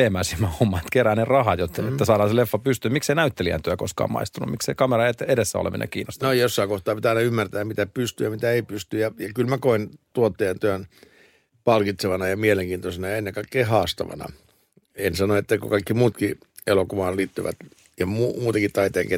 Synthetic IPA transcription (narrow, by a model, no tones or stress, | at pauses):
eːmæːsimːæhomːɑt̪keræːnerɑhɑt̪jot̪et̪ːæsɑːɾɑnselefːɑpyst̪ymikseinæyt̪ːeliæ̰nt̪yæko̰skɑ̰ːmɑ̰ist̪unṵmikseikɑmeɾɑet̪ːedesːæ̰o̰lḛmḭnɑ̰kḭːnːo̰st̪nojjosːɑikoht̪ɑːpit̪æɑinɑymːært̪æːmmit̪æpyst̪yjɑmit̪æeipyst̪yjɑjɑkylmækoint̪uot̪ːeːnt̪øøn | pɑlkit̪seʋɑnɑjɑmieleŋkiːnt̪osenɑjɑenːekɑikːeːhɑːst̪ɑ̰ʋɑ̰nɑ̰ | ensɑnoet̪ːækokɑikːimuːt̪ki | elokuʋɑːnliːt̪ːy̰ʋæ̰t̪ | jɑmuːmuːt̪eŋkitt̪ɑit̪eːke